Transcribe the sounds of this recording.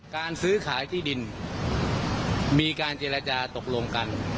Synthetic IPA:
kaː˧nsɯː˦˥kʰaː˩˦jt̪ʰiː˥˩di˧n | miː˧kaː˧nt͡ɕeː˧ɾa˧t͡ɕaː˧t̪o˨˩k̚lo˧ŋka˧n

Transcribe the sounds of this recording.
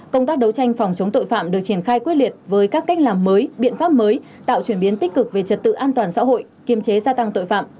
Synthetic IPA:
kə˧wŋ͡mt̪aː˦˥k̚ɗə˨˦wt͡ɕa˧jŋ̟fa˨˩wŋ͡mt͡ɕə˨˦wŋ͡mt̪o̰˧˨jfa̰ː˧˨mɗɨ˨˩ək̚t͡ɕi˧˩ənxaː˧jkwi˦˥t̚lwi˨˩ət̚vəː˨˦jkaː˦˥kːa˦˥j̚laː˨˩mːəː˨˦jɓḭ˧˨ənfaː˦˥p̚məː˨˦j | t̪a̰ː˧˨wt͡ɕwi˧˩ənɓi˨˦ənt̪ï˦˥k̚kɨ˨˩k̚ve˨˩t͡ɕə˨˩t̚t̪ɨ̰˧˨ʔaː˧nt̪waː˨˩nsa̰ː˧˥ɦo̰˧˨j | ki˨˩əmt͡ɕe˨˦zaː˧t̪a˧ŋt̪o̰˧˨jfa̰ː˧˨m

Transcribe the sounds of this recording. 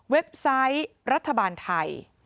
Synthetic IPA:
we˦˥p̚sa˦˥jɾa˦˥t̪ʰːa˧baː˧nt̪ʰa˧j

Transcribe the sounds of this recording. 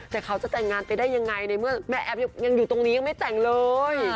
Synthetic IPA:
t̪ɛː˨˩kʰa˦˥wt͡ɕa˨˩t̪ɛ˨˩ŋːaː˧npa˧jdaː˥˩jːa˧ŋːa˧jna˧jmɯ˥˩ɐmɛ˦˥ʔɛ˦˥p̚ja˧ŋja˧ŋjuː˨˩t̪o˧ŋniː˦˥ja˧ŋma˥˩jt̪ɛ˨˩ŋlɤː˧j

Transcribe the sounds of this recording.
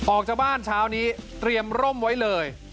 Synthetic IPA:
ʔɔː˨˩k̚t͡ɕaː˨˩k̚baː˥˩nt͡ɕʰaː˦˥wniː˦˥t̪ɾi˧əmɾo˥˩mwa˦˥jlɤː˧j

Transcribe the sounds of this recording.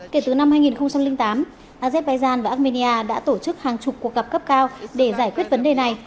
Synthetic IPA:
ke˧˩t̪ɨ˨˩na˧mhaː˧jŋi˨˩nxə˧wŋ͡mt͡ɕa˧mlï˧ŋt̪aː˨˦m | ʔaː˧zɛ˦˥t̚ɓaː˧jzaː˧nvaː˨˩ʔa˦˥t̚mi˧ni˧ʔaː˧ɗa̰ː˧˥t̪o˧˩t͡ɕɨ˦˥k̚haː˨˩ŋt͡ɕʊ˨˩k͡p̚kːu˨˩ək̚ɣə˨˩p̚kə˦˥p̚kaː˧wɗe˧˩zaː˧˩jkwi˦˥ət̚və˨˦nɗe˨˩na˨˩j

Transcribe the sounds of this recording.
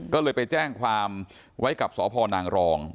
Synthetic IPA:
kɔː˥˩lɤː˧jpa˧jt͡ɕɛː˥˩ŋkʰwaː˧m | wʔa˦˥jka˨˩p̚sɔː˩˦pʰɔː˧naː˧ŋɾɔː˧ŋ

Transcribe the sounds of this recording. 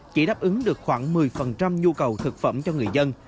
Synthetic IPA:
t͡ɕḭ˧˩ɗaː˦˥p̚ʔɨ˨˦ŋɗɨ˨˩ək̚xwaː˧˩ŋmɨ˨˩əjfə˨˩nt͡ɕa˧mɲu˧kə˨˩wt̪ʰɨ˨˩k̚fə̰˧˩mt͡ɕɔ˧ŋɨ˨˩əjzə˧n

